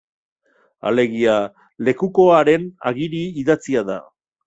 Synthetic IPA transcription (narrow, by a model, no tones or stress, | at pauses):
a̰le̞ɣia | le̞kuko̞aɾe̞na̰ɣiɾiːðat͡siaða̰